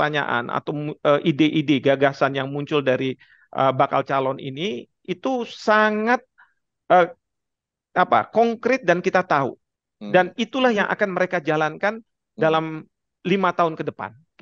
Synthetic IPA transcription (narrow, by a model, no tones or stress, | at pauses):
t̪aɲa̰ʔa̰nʔa̰t̪awəʔideʔideɡaɡasanjaŋmuɲt͡ʃʊldaɾi | ʔə̰baka̰lt͡ʃalɔnḭni | it̪usaŋat̪̚ | ʔə | apa̰kɔŋkɾɪt̪̚dankit̪at̪aṵ | danit̪ulahjaŋʔa̰kanməɾekad͡ʒalankan | dalam | limat̪aɦʊnkədəpa̰n